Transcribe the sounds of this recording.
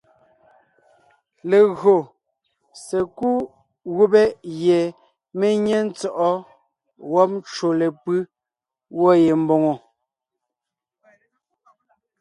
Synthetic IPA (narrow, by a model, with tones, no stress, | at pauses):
le˨ɣɰo˨ | se˨ku˦ | ɣu˦be˦je˨ | me˦ɲe˦n̩˦t͡sɔ˦˨ʔɔ˦ | wɔ˦p̚n˦t͡ʃo˨le˨pɯ˦ | wɔ˦je˨m˦bo˨ŋɔ˨